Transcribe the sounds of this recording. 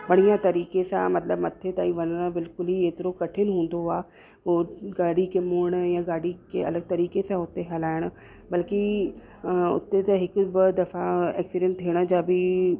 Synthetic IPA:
ʋɐɽ̤ijãt̪ɐɾiːkesã̰mɐt̪ləbmɐt̪ʰːet̪aːĩʋɐnnbɪlkʊlɦieːt̪ɪɾokɐʈʰɪnɦũːn̆d̪oaː | ɦoɡaːɽikemʊːɽ̃jãɡaːɽikeɐ̰ləɡ̚t̪ɐɾiːkesãʊt̪ːeɦɐlaːɪɽ̃̆ | bɐlki | ʊ̰t̪ːet̪ɐɦɪkbɪd̪ɐfaɛ̰ːksiɖə̃ɳʈt̪ʰiːɽ̃əd͡ʑaːbʱi

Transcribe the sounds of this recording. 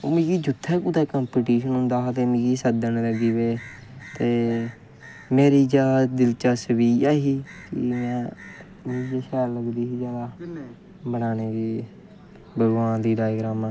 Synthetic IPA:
omĩːkiːd͡ʒʊt̪ʰːɛːkuːt̪ɛːkãːmpiːʈiːʃənʊ̃nd̪aːt̪eːmĩːɡiːsəd̪ənləɡiːʋeː | t̪eː | meːɾiːd͡ʒaːd̪ad̪ɪlt͡ʃaːsəʋiːaːɦiːkɪ̰mɛ̃ː | mĩd͡ʒeːʃɛːɾləɡd̪iːɦiːd͡ʒaːd̪aː | bənaːneːkeː | bəɡʋãːd̪iːɖaːjɡɾaːmãː

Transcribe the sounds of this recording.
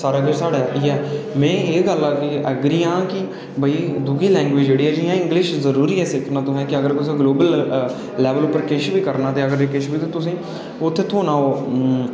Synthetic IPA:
saːɾaːɡəɾsaːɽaːiːɛːmɛ̃ːeːɡəlaːkɪəɡɾiːãːkɪ | bʱəiːd̪uɡiːlɛ̃ːŋɡʋɪːd͡ʒd͡ʒeːɽiːɛːd͡ʒɪjãːɪ̃ŋɡlɪʃzəɾuːɾiːɛːsɪkʰnãːt̪õːɦɛːkɪəɡəɾk̪ʊs̬ẽɡloːbəl | lɛːʋəlʊpːəɾkɪʃbiːkəɾnaːt̪eːəɡəɾeːkɪʃbiːt̪ẽːt̪ʊsĩː | ʊt̪ʰːeːt̪ʰoːnaːoː

